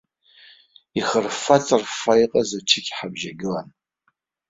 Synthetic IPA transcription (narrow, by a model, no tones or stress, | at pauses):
iχərfat͡sʼɨrfajqʼazat͡ʃʰɪkʲħabʒaɡʲɪlan